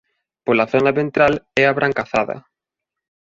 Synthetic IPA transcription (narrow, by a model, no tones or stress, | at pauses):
polaθonaβent̪ɾalɛaβɾʔaŋkaθaðɐ̰